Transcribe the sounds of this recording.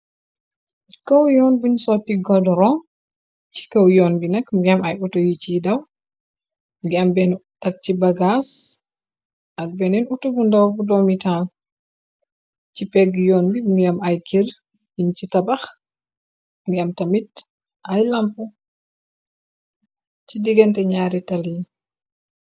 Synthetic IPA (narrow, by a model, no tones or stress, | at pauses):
kɐwjɔnbuɲsɔtːiɡɔdɔɾɔ | t͡ʃi̥kɐwjɔnbinɐkɡiɐmɐjutojit͡ʃidɐw | ɡiɐmbɛntɐk̚t͡ʃibɐɡas | ʔaɡ̚bɛnɛnutobundɐwbudɔmital | t͡ʃipɛɡjɔːnbiɡiamajkʰir | int͡ʃitabax | ŋɡiamtamit | ʔajlampu | t͡ʃidiɡɛntɛɲaːɾitali